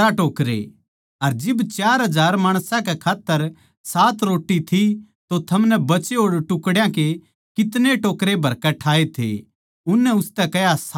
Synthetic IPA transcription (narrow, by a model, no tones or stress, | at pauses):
aʈoːkɾḛ | ɐɾd͡ʒɪbt͡ʃaːɾɦɐd͡ʒaːɾmaːɽ̃sãkɛkʰaːt̪ːəɾ | saːt̪ɾoːʈːit̪ʰi | t̪ot̪ʰɐmnɛbɐt͡ʃeɦoːɾʈʊkɽjãke | kɪt̪neʈoːkɾebʱɐɾkɛʈʰaːet̪ʰḛ | ʊnːɛʊst̪ɛkɛjas